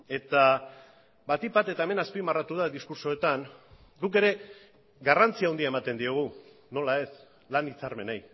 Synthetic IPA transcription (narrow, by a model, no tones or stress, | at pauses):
e̞t̪a | bat̪ibat̪e̞t̪aeme̞naspimarat̪uð̞aðiskuɾso̞et̪aŋ | ɡuk̬e̞ɾe̞ | ɡarant͡siawnd̪iae̞mat̪e̞nd̪io̞ɣ̞u | no̞lae̞s | lanit͡saɾme̞naj